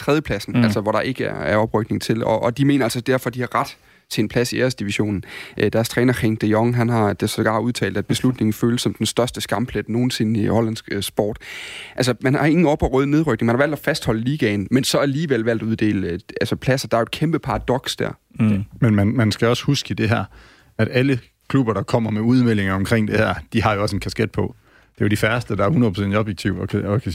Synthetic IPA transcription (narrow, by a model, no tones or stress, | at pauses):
t͡sʰʁɛðjəpʰlæsn̩ælsɒʋɒɾ̥ɑ̈ʔe̝ɡ̥əæɐæɐɒ̽b̥ʁœɡ̥̚ne̝ŋt͡sʰe̝lɒ̽ʔːd̥ime̝̰ːnɐælsɒd̥æɐfɒ̽d̥ihɑ̈ʁɑ̈d̥ | t͡sʰe̝enpʰlæsieːɐsd̥iʋiɕo̝̰ːnn̩ʔd̥æɐst͡sʰʁɛːnɐʁeŋd̥eɒŋɦænɦɑ̈d̥esɒɡ̥ɑ̈ːuð̞ˠt͡sʰɛ̰ːld̥æd̚b̥e̝slud̥ne̝ŋn̩føːləsːɒ̽md̥ensd̥ɶɐsd̥əsɡ̥ɑ̈mpʰled̥no̝ːn̩se̝nihɒ̽lænsɡ̥sb̥ɒ̰ːd̥ʔæls̬əmænɑ̈e̝ŋn̩ɒpʰɒ̽ʁœːð̞ˠne̝ð̞ˠʁœɡ̥ne̝ŋmænhɑʋæl̰d̥ɒfæsd̥hɒ̽ləliːɡ̥ɛnmensɒ̽æliːʋelʋæl̰d̥uðˠd̥e̝̰ːləælsəpʰlæsɐd̥ɑ̈ɐo̝ed̥kʰemb̥əpʰɑ̈ʁɑ̈d̥ɒ̽ɡ̥sd̥æɐ̰ | menmænmænsɡ̥æɒ̽shusɡ̥əid̥e̝ɦæɐ̰ | æd̥ælə | kʰlub̥ɐɾ̥ɑ̈kʰɒ̽m̰ɐmeuð̞ˠmel̰e̝ŋɐɒ̽mkʰʁeŋ̰d̥e̝hæɐ̰d̥iɦɑ̈jo̝ɒ̽senkʰæsɡ̥ed̥̚pʰɒ̽ | d̥e̝jodifæɐsd̥əd̥ɑ̈æɐhunɐð̩ˠpʰʁosen̰diɒ̽b̥jeɡ̥̚t͡sʰiʊɒkʰ